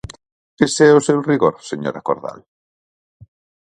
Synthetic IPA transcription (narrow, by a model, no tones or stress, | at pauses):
esɛosewriɣoɾseɲo̰ɾakoɾða̰l